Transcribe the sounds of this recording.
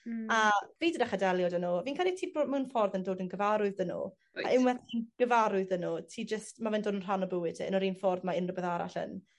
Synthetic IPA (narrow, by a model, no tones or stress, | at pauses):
aviːdədaχadɛlˠjɔdənɔviːnkʰalˠitʰiːboːmɛwnfɔrðəndoːdənɡəvaɾʊɨðənṵ | a̰ʔɪwɛθinɡ̥əvaɾʊɨðənɔtʰiːd͡ʒəstmavɛndoːdənr̥anɔbəwɨdə̰nɔɾiːnfɔrðmaɪnrəbɛðaɾa̰ɬə̰n